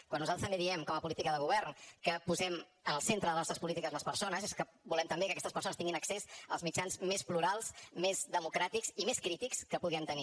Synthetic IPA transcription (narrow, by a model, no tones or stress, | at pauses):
kwanːuzat̪əst̪əmbeðiɛmkɔməpulit̪ikəðəɣuβɛɾnkəpuzɛm | ənəlˠsent̪ɾəðəlnɔst̪ɾəspulit̪ikəzləspəɾsonəzeskə | bulɛmt̪əmbekəkɛst̪əspəɾsonət̪iŋɡinəksezə̰lˠzmit͡ʃanzmespluɾalˠsmezðəmukɾat̪ikzimeskɾit̪ikskəpuɣɛmt̪əni